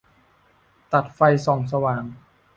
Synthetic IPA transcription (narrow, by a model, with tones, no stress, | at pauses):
t̪a˨˩t̪̚fa˧jsɔ˨˩ŋs̬a˧waː˨˩ŋ